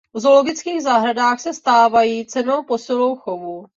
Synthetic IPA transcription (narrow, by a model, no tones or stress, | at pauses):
vzo̞lo̞ɡɪt͡skiːɣzaɦɾadaːxsɛst̪aːvajiːt͡sɛno̞wpo̞sɪlo̞wxovu